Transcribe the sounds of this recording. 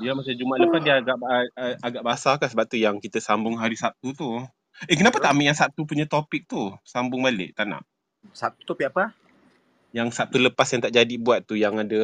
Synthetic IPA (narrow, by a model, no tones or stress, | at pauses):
diamat͡ʃamd͡ʒumaʔləpasdiəaɡaʔaɡaʔbasakansəbap̚t̪ujaŋkit̪əsambʊŋɦaɾisap̚t̪ut̪u | ekənapat̪aʔmbɪʔjaŋsap̚t̪upuɲãt̪opɪk̚t̪usambʊŋbalɪ̰ʔt̪anã̰ʔ | sap̚t̪u̥t̪opɪk̚apə | jaŋsap̚t̪uləpasjaŋt̪aʔd͡ʒadibuat̪̚ːujaŋadə